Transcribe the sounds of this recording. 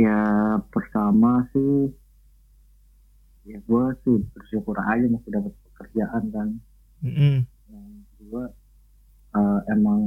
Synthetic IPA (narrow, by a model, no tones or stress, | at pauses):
japərt̪amasɪh | jaɡuasɪbərʃukuɾa̰nad͡ʒamasɪdapat̪̚pə̥kərd͡ʒaʔankan̩ | jaŋkədua | əemaŋ